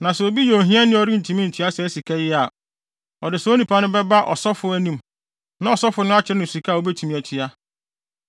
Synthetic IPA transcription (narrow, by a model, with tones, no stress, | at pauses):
nã˨sɛ˨o˨bi˦jo˨ɦĩ˦a˦nɪ̃˦ɔ˦ɾi˦n̩˨tʰu˨mĩ˦n̩˨tʰi˨a˦sɛ˨˦si˨kʰɛ˦jɪ˦a˨ | ɔ˨dɪ˨sɛ˨˦o˦nĩ˨pʰa˦nʊ̃˦bɛ˦ba˦ʔɔ̰˨sɔ˦fʊ˨æ˦nĩ˦m | nã˦ɔ˨sɔ˦fʊ˨˦nʊ̃˦a˦t͡ɕʰɪ˨ɾɪ˦nʊ̃˨si˨kʰa˦˨o˦bɛ˦tʰu˨mĩ˨æ˨tʰi˨a˦